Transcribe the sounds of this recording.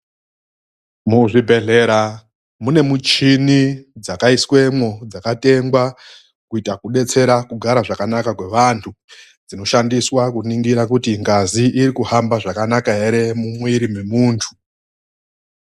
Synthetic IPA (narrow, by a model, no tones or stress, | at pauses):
muʐibʱe̞ɮe̞ɾa | mune̞mut͡ʃinid͡zakaiswe̞mwo̞d͡zakate̞ŋɡwa | kuitakuɗe̞t͡se̞ɾakuɡʱaɾaʐakanakakwe̞ʋantʰu | d͡zino̞ʃandiswakuniŋɡiɾakutiŋɡaziʔiɾikuhambaʐakanakaɦe̞ɾe̞mumwiɾime̞muːntʰu̥